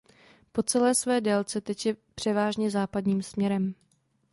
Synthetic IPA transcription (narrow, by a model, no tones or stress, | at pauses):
po̞t͡sɛlɛːsvɛːdɛːlt͡sɛt̪ɛcjɛpr̝̥ɛvaːʒɲɛzaːpadɲiːmsmɲɛɾɛm